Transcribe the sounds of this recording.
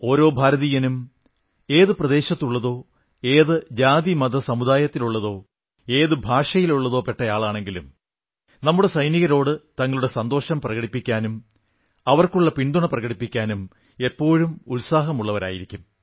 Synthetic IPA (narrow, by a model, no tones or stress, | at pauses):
o̞ːɾo̞ːbʱaːɾɐðiːjɐnum | e̞ːðɨprɐðe̞ːɕɐt̪ːuɭːɐðo̞ː | eːðɨd͡ʑaːd̪imɐd̪ɐsɐmuðaːjɐt̪ːiluɭːɐðo̞ː | e̞ːðɨbʱaːʂɐjiluɭːɐðo̞ːpe̞ʈːɐjaːɭaːɳe̞ŋɡilṵm | nɐmːuɽe̞sɐjniɣɐɾo̞ːɽɨt̪ɐŋːɐɭuɽe̞sɐnd̪o̞ːɕɐmprɐɣɐɽipːikʲːaːnum | ɐʋɐrkuɭːɐpind̪uɳɐprɐɣɐɽipːikʲːaːnum | e̞pːo̞ːɻumulsaːɦɐmuɭːɐʋɐɾa̰ːjiɾikʲːum